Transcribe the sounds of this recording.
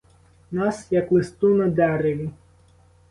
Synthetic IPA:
nasjaklɨst̪unəd̪eaɾelʲi

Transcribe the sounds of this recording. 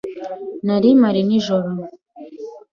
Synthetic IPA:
naɾimaɾiniʒɔɾɔ

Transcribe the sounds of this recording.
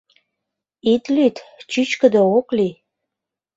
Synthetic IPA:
it̪lyt̪t͡ɕyt͡ɕkə̆d̪əokli

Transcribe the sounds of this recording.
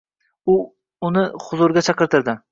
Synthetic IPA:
ʊ | ʊnɪχʊzʊɾɡʲat͡ʃʰɑqɨɾt̪ɪɾd̪ɪ

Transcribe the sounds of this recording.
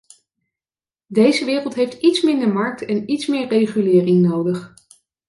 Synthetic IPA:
dejzəʋɪːrəlˠtɦejftitsmɪndəɹmɑɹk̚tɛnitsmɪːɹrejχylɪːrɪŋnowdəχ

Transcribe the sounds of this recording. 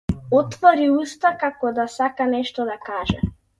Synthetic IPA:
ɔt̪vɔɾiust̪akakɔd̪asakanɛʃt̪ɔd̪akaʒɛ̰

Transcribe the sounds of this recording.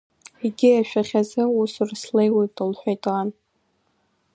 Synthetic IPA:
iɡʲɪjaʃᶣaχʲazɨusurslejwejtʼɨlħʷᶣajtʼan

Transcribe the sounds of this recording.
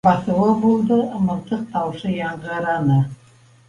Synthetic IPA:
bɑθɤ̆wɤbulˠd̪ɤmɤ̆ɾt̪ɤq̚t̪ɑwʃɤjɑɴʁɤ̆ɾɑnɤ

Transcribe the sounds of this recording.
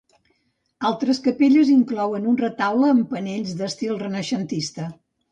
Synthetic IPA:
alˠt̪ɾəskəpeʎəziŋklɔwənunrət̪awləːmpəneʎʲzd̪əst̪ilˠrənəʃənt̪ist̪ə

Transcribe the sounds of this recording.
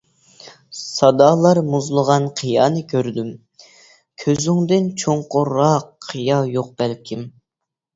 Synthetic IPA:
sɑd̪ɑːlˠɑɾmuzlˠəʁɑnqʰijɑːnɨkʲʰøɾd̪ym | kʲʰøzyŋd̪ɪnt͡ʃʰoŋqʊɾːɑqʰːijɑjoq̚b̥ælkʲʰim

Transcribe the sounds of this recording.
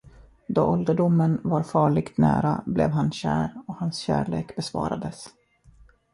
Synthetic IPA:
d̪ɔːʔɔld̪əɖʊmːənvaɾfɑːɭɪɡt̪næːɾablɛ̰vɦanɕæːɾɔhansɕæ̰ːɭeːkbɛsvɑ̰ːɾad̪əs

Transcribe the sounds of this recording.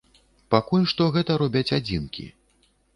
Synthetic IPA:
pakulʲʂt̪ɔɣɛt̪ɐɾɔbʲɐt͡sʲad͡zʲinkʲḭ

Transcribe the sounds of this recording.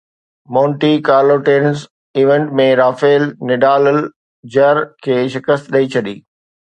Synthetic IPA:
mãːɳʈikaːɾloʈeːnz | iːʋẽːɳʈmẽɾaːfeːlnɪɖaːləl | d͡ʑɐɾkʰeːʃɪkəst̪ɗɐit͡ɕʰɐɗiː

